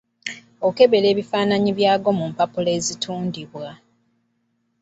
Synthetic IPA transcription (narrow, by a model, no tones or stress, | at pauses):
o̞ke̞βe̞le̞ːβifaːnaɲiβjaːɡo̞mumpapuleːzitʰuːndiβwa